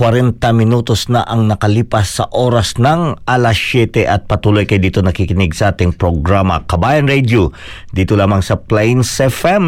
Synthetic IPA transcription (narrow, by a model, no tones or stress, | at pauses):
kwɐɾɛnt̪ɐmɪnuːt̪osnɐʔɐŋnɐkɐliːpɐsːɐ̰ʔoːɾɐsnɐŋalɐsjɛt̪ɛʔɐt̪̚pɐt̪uːlojkɐjd̪iːt̪onɐkikɪnɪɡsɐʔaːt̪ɪŋpɾoɡɾamɐ̰kɐbaːjɐnɾɛd̪jo | d̪iːt̪olaːmɐŋsɐplajnsɛfɛm